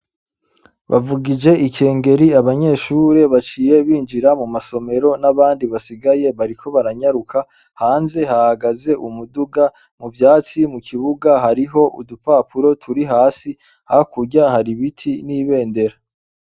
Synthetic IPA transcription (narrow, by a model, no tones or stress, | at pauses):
βa̰vuɡid͡ʒe̞ʔice̞ːŋɡe̞ɾiaβaɲe̞ːʃuɾe̞βat͡ʃiːje̞βiːnd͡ʒiɾamumaso̞me̞ɾo̞naβaːndiβasiɡaje̞βaɾikʰo̞βaɾaɲaɾukʰa | haːnze̞hahaɡaze̞ʔumuduɡa | muvjaːt͡simukʰiβuɡaɦaɾiɦo̞ʔṵdupaːpuɾo̞tʰuɾiɦaːsi | hahakuɾɟahaɾiβitʰiniːβe̞ːnde̞ɾa